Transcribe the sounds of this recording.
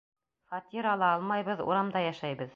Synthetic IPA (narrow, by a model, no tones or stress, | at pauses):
fɑt̪iɾɑlˠɑɑlˠmɑjβɤðṵɾɑmd̪ɑjæʃæjbɤð